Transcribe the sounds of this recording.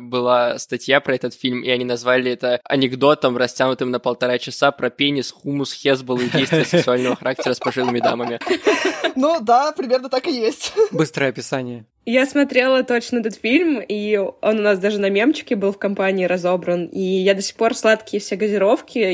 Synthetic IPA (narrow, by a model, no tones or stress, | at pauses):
bɨlˠast̪ɐtʲjapɾɐɛt̪ət̪fʲilʲmiɐnʲinɐzvalʲɪɛt̪əɐ̰nʲɪɡd̪o̞t̪əmrɐsʲtʲanʊt̪ɨmnəpəlˠt̪ɐɾat͡ɕɪsapɾɐpʲenʲɪsxumʊsxʲezbəlˠɨdʲejst̪ɪjəsksʊalʲnəvəxɐɾak̚tʲɪɾəspɐʐɨlˠɨmʲɪd̪aməmʲɪ | nud̪apɾʲɪmʲe̞rnət̪akɨjesʲtʲbɨst̪ɾəjəɐpʲɪsanʲɪjə | jasmɐt̪ɾʲe̞lˠət̪o̞t͡ɕnəɛt̪ət̪fʲilʲmio̞nʊnasd̪aʐɨnɐmʲemt͡ɕɪ̥kʲɪbɨlˠfkɐmpanʲɪːɾɐzo̞bɾənijad̪ɐsʲɪ̥xpo̞rslˠat̪kʲɪjəfsʲeɡəzʲɪɾo̞fkʲɪ